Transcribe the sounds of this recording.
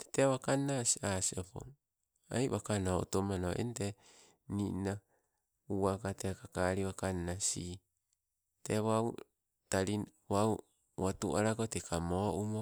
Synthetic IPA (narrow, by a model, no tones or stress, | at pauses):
te̥teaβakanːasiasiopo̰ŋ | a̰jβakanoo̰tomanoʔḛnte | nina | uakatekakaɾiβakanːasi | teβaw | taɾi | waw | watṵaɾakotekʰamoʔumo